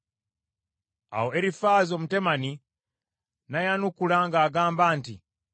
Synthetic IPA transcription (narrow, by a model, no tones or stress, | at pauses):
a̰woeɾifaːzo̞mute̞mani | najanukulaŋɡaːɡaːmbaːntḭ